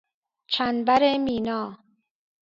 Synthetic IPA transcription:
t͡ʃʰænbæɾemiːnɒː

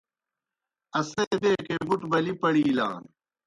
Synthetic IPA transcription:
ɐseːb̪eːkebuʈbɐlipɐɽiːla̰ːn

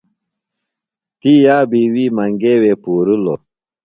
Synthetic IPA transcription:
t̪iːjaːbiːwiːmɐŋɡeweːpuːɾulo̰

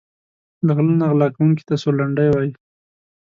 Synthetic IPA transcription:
d̪əɣlunaɣlɑkawuŋki̥t̪asolaɳɖajwɑji

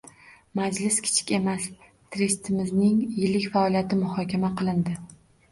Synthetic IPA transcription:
mad͡ʒlɪskʲʰɪ̥t͡ʃʰɪ̥kʲe̞mas | t̪ʰɾest̪ʰɪmɪznɪŋjɪlɪkʲfaɒlijat̪ʰɪmʊhɒkʲʰamaqʰɨlˠɪnd̪ɪ

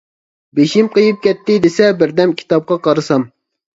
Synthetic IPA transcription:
beʃimqəjɨp̚kʲɛt̪ːɪd̪esɛbɪɾd̪ɛmkʲʰi̥t̪ɑp̚qɑqʰɑɾɨsɑm

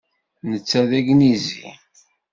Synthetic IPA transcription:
nət͡sːæðæɡnizḭ

